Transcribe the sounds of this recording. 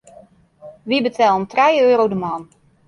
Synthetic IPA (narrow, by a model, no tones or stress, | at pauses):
ʋibətʰɛlˠomtrɛjøːɾowdəman